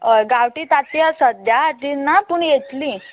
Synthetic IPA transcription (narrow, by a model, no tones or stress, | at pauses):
ɡawʈiːt̪at̪jasəd̪jat̪inːapuɳjet̪liː